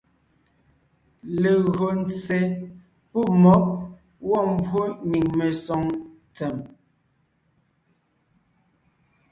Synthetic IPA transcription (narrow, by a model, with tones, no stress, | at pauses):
le˨ɣo˨n̩˨t͡se˨ | pu˦˨mɔ˨˦ʔ | wɔ˦˨m̩˦bwo˦ɲi˨ŋme˨sɔ˨˦ŋ | t͡sɛ˨m